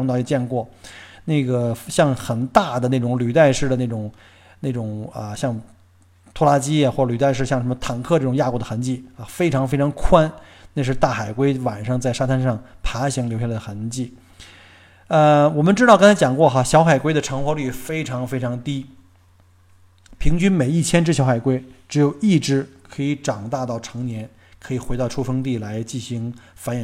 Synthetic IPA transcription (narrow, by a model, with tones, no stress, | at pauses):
ŋt̪ɑ˥˧˩i˥˧˩t͡ɕjɛ˥˧nkwɔ˥˩na˥˩ɪɡə˩ɕjɑ˥˩ŋxə˨˩nt̪a˥˩d̪ə˩ne˥˩ʈ͡ʂʊ˨˩ŋly˨˩t̪a˥˧ɪʂɻ̩˥˩d̪ə˩ne˥˩ʈ͡ʂʊ˨˩ŋ | ne˥˩ɪʈ͡ʂʊ˨˩ŋə˧ɕjɑ˥˩ŋ | t̪ʰwɔ˥la˥t͡ɕi˥jxwɔ˥˩ʈ͡ʂə˩ly˨˩t̪a˥˧ɪʂ̬ɻ̩˥˧ɕjɑ˥˩ŋʂə˧˥mə˧t̪ʰa˨˩ŋkʰɤ˥˧ʈ͡ʂɤ˥˩ʊ˨˩ŋja˥˩ku˥˩d̪ə˩xa˧˥nt͡ɕi˥˩ə˧˩fe˥ɪʈ͡ʂʰɑ˧˥ŋfe˥ɪʈ͡ʂʰɑ˧˥ŋkʰwa˥nna˥˧ʂɻ̩˥˧t̪a˥˩xa˨˩ɪkwe˥ɪwa˨˩nʂɑ˥˧ŋt͡sa˥˩ɪʂa˥t̪ʰa˥nʂɑ˥˩ŋpʰa˧˥ɕi˧˥ŋljʊɕj̪ə˩xa˧˥nt͡ɕi˥˩ | ə˧wɔ˨˩mə˦nʈ͡ʂɻ̩˥t̪ɑ˥˩ʊkŋnt͡sʰa˥t͡ɕjɑ˨˩ŋkwɔ˥˩xa˧ɕjɑ˧˥ʊxa˨˩ɪkwe˥ɪd̪ə˨ʈ͡ʂʰɤ˧˥ŋxwɔ˧˥ly˥˩fe˥ɪʈ͡ʂʰɑ˧˥ŋfe˥ɪʈ͡ʂʰɑ˧˥ŋt̪i˥ | pʰi˧˥ŋt͡ɕy˥nme˨˩ɪi˥˩t͡ɕʰjɛ˥nʈ͡ʂɻ̩˥ɕjɑ˧˥ʊxa˨˩ɪkwe˥ɪʈ͡ʂɻ̩˧˥jo˨˩ʊi˥˩ʈ͡ʂɻ̩˧˥kʰɤ˧˥i˧˥ʈ͡ʂɑ˨˩ŋt̪a˥˧t̪ɑ˥˩ʊʈ͡ʂʰɤ˧˥ŋnjɛ˧˥n | kʰɤ˧˥i˨˩xwe˧˥ɑ˥˩ʊʈ͡ʂʰu˥fɤ˥ŋt̪̬i˥˩la˧˥ɪt͡ɕi˥˩nɕi˧˥ŋfa˧˥njɛ˨˩